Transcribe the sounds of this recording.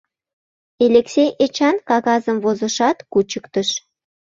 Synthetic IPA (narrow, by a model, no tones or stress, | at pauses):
elʲeksʲejet͡ɕɑnkɑɣɑzəmvozə̆ʃɑt̪kut͡ɕəkt̪əʃ